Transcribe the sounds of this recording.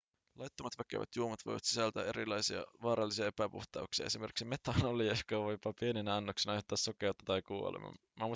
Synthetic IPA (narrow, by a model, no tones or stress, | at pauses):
lɑjt̪ːomɑt̪ʋækːḛʋæ̰t̪juomɑt̪ʋo̰jʋɑ̰t̪si̥sælt̪æ̰eɾilɑjsiɑ̰ʋɑːɾɑlːisiɑepæpṵht̪ɑ̰uksiɑ̰esimerki̥ksimet̪ːɑːnoliokɑʋojpɑpieninæɑnːoksenɑɑjhot̪ːɑːsːokeut̪ːɑt̪ɑjkuːo̰lḛmɑ̰ | mɑmu